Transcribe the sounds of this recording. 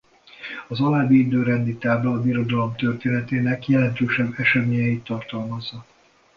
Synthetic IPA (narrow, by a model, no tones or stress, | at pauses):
ɒzɒlaːbiid̪øːɾɛnd̪it̪aːblɒːbiɾo̞d̪ɒlo̞mt̪ørt̪eːnɛt̪eːnɛkjɛlɛnt̪øːʃɛbːɛʃɛmeːɲɛjit̪ːɒrt̪ɒlmɒzːɒ